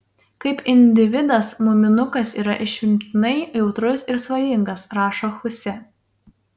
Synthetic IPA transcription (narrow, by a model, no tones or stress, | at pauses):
kɐɪpɪnʲd̪ʲɪʋʲɪd̪ɐsmʊmʲɪnʊkɐsiːɾɐʔɪʃʲʋʲɪmʲt̪ʲɪnɐɪjɛʊt̪ɾʊsɪɾsʋɐjɪŋɡɐsɾɑːʃoːxʊsʲɛ